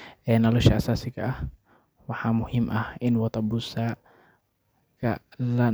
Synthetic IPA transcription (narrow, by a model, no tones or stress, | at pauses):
ʔɛːnɔlɔʃɐʔɐsaːsɪɡʰɐ̰ʔɐh | wɑħɑːmʊhɪmʔɐhɪnwɑt̪ɐbʊsa | kʰɐ̰lɐ